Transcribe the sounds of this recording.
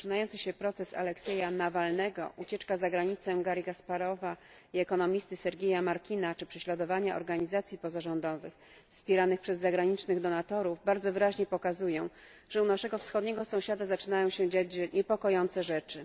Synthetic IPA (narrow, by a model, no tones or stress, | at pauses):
t͡ʂɨnajɔntsɘɕɛpɾɔt̪sɛsa̰lɛksɛjanavalnɛɡɔ̰ʔut͡ɕɛt͡ʂkazaɡɾaɲit̪sɛɡaɾiɡaspaɾɔva | iɛkɔnɔmʲist̪ɘsɛɾɡʲejamaɾkʲinat͡ʂɘpʂɛɕlad̪ɔvaɲaʔɔ̰ɾɡaɲizat̪sʲjipɔzaʐɔnd̪ɔvɘ̰x | fspʲjɛɾanɘxpʂɛzːaɡɾaɲit͡ʂnɘɣd̪ɔnat̪ɔɾuvbaɾd̪zɔvɘɾaʑɲɛpɔkazujɔ̃w̃ | ʐ̥ɛunaʂɛɡɔfsxɔd̪ɲɛɡɔsɔ̃w̃ɕad̪azat͡ʂɘnajɔ̃w̃ɕɛd͡ʑad͡ʑɲɛpɔkɔjɔnt̪sɛʐɛt͡ʂɘ